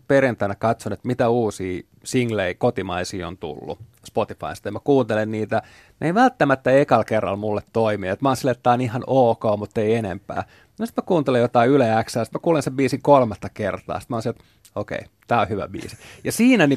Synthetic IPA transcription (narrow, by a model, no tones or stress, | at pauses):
perjænt̪æːnækɑt̪sonet̪mit̪æuːsiː | siŋleikot̪imɑisiːo̰nt̪ṵlːṵ | spot̪ifɑ̰inst̪ɑemækuːnt̪elenniːt̪æ | neiʋælt̪ːæmæt̪ːæekɑlkerːɑ̰lmulːet̪toimiet̪mɑːnsilːet̪tːæːonihɑnoːkoːmut̪ːeienḛmpæ̰ː | nosi̥t̪mækuːnt̪elejot̪ɑiylææksæːsi̥t̪mækuːlenseʋbiːsiŋkolmɑt̪ːɑkert̪ɑ̰ːsi̥mæɑːˑnsinet̪ | okḛi | t̪æːohyʋæ̰bḭːsi̥jɑsiːnæni